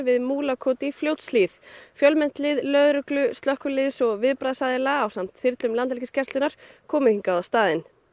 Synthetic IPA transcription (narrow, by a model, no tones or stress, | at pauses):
vɪðmuːlakʰoːt̪ifljowt̪sliːθfjœlmɛn̥t̪lɪðlœːðɾʏklʏst̪lœhkʏlɪðsɔɣvɪðpɾaːðsaðɪlaːwsam̥t̪θɪɾt̪lʏmlant̪lɪcɪscʰɛrst̪ʏnaɾ̥kʰɔːmɪhiŋkaðawst̪aːðɪn